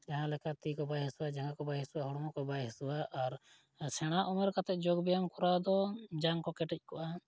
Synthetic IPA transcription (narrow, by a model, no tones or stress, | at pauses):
d͡ʒaɦãlɛkat̪ikɔbajɦɛsuwad͡ʒaŋɡakɔbajɦɛsuwaɦɔɽɔmɔkɔbajɦɛsuwaʔaɾ | sʰɛɽ̃aʔɔmɛɾkat̪ɛʔ̚ˀd͡ʒoɡbɛjamkɔɾad̪ɔd͡ʒaŋkɔkɛʈɛc̚ˀkɔʔa